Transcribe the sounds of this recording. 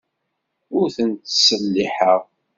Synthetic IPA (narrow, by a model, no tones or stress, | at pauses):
ʊɾθənt̪səlːiħəʁ